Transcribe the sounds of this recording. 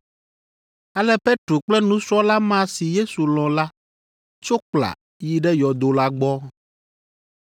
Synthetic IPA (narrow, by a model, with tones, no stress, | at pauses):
a˨lɛ˦pe˦t̪ɾo˨k͡plɛ˦nũ˦sɔ˦la˦mã˦si˨je˦su˨l̃ɔ̃˨la˦ | t͡ʃo˦k͡pla̰˨ | ji˨ɖɛ˦jɔ˨d̪o˨la˦ɡ͡bɔ˦